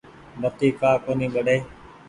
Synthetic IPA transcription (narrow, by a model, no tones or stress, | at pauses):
mət̪iːkaːkoːnĩːɓəɗeː